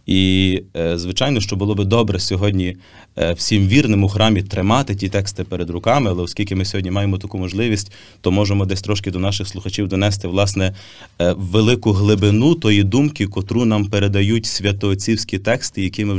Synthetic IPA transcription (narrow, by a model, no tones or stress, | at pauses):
i | zʋɪt͡ʃɑjn̪ɔʃt͡ʃɔbʊlˠɔbɪd̪ɔbɾɛsʲɔɦɔdʲnʲi | w̥sʲimʋʲirnemʊxɾɑmʲit̪ɾɪmɑt̪ɪtʲit̪ɛkst̪ɪpeɾed̪ɾʊkɑmɪɐlˠɛɔsʲkʲilʲkɪmɪsʲɔɦɔdʲnimɑjemɔt̪ɐkumɔʒlˠɪʋʲisʲtʲ | t̪ɔmɔʒemɔd̪ɛsʲt̪ɾɔʃkɪd̪ɔnɑʃɪxslˠʊxɐt͡ʃʲiwd̪ɔnɛs̬t̪ɪwlˠɑsnɛ | wʋelˠɪkʊɦlˠɪbɪnut̪ɔjid̪umkʲikɔt̪ɾunɑmpeɾed̪ɐjutʲsʲʋʲɐt̪ɔːt͡sʲiwsʲkʲit̪ɛkst̪ɪjɐkʲimɪ